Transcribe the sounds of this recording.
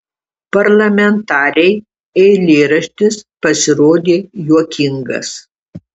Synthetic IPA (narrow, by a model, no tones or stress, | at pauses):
pɐɾlˠɐmʲɛnt̪ɑːɾʲɛɪ | ɛɪlʲeːɾɐʃʲt̪ʲɪspɐsʲɪɾoːd̪ʲeːjuɔkʲɪŋɡɐ̰s